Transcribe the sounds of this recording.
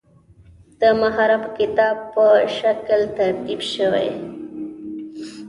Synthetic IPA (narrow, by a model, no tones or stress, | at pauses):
d̪̥əmaɦaɾabkɪt̪ɑb̚pəʃaklt̪aɾt̪ibʃəwḛj